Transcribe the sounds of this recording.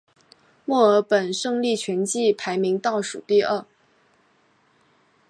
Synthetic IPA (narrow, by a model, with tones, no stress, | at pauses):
mwɔ˥˩ə˞˧˥pə˨˩nʂɤ˥˧ŋli˥˩t͡ɕʰɥɛ˧˥nt͡ɕi˥˩pʰa˧˥ɪmi˧˥ŋt̪ɑ˥˩ʊʂṵ˨˩t̪i˥˧ə˥˩